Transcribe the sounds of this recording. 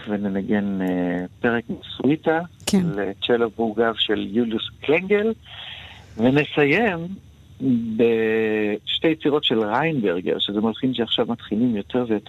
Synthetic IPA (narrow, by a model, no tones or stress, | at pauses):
venenaɡe̞npe̞ʁekmisuitaʃelet͡ʃelovuɡavʃeljuljuskleŋɡe̞l | vene̞saje̞m | be | ʃtejet͡siʁo̞tʃe̞lʁajnbeʁɡḛʁʃezemalχimʃeaχʃavmatχilimjo̞tʰe̞ʁvejo̞t